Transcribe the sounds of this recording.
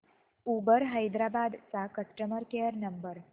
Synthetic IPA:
ubəɾɦəjd̪ɾabad̪t͡sakəʂʈəməɾkeəɾnəmbəɾ

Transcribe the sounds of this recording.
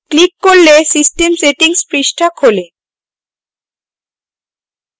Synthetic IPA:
klikːoɾlesisʈemseʈiŋspɾiʃʈʰakʰole

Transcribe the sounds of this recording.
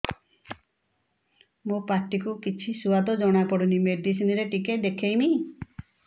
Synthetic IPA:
mopaɾʈikukit͡ʃʰisuad̪ɔd͡ʒɔɽ̃apɔɽunimeɖisiniɾeʈiked̪ekʰejmi

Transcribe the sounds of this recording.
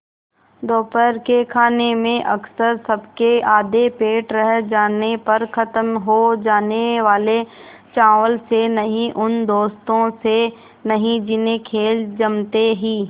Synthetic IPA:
d̪oːpəɾkekʰaːnemẽʔɐksəɾsɐbkeaːd̪epeːʈɾəɦd͡ʒaːnepɐɾkʰɐt̪əmɦod͡ʒaːneʋaːle | t͡ʃaːʋəlsenɐɦĩʔʊnd̪oːst̪õse | nɐɦĩd͡ʒɪnẽkʰeːld͡ʒɐmt̪eɦiː

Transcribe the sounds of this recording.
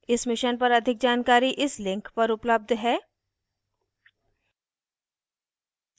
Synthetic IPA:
ɪsmɪʃənpɐɾɐd̪ʱɪk̚d͡ʒaːnkaːɾiʔɪslɪ̃ŋkpɐɾʊpləb̚d̪ʱɦɛː

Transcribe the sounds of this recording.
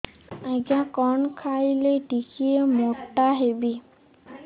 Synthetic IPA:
aɡakɔnkʰailejtikʰiemɔʈːaɦebi

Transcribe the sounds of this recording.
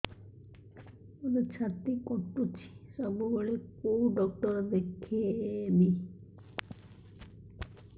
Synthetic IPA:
oɾet͡ʃʰat̪ikɔʈːut͡ʃʰi̥sɔbuɡoɭekouɖɔk̚ʈɔɾd̪ekʰieːmi

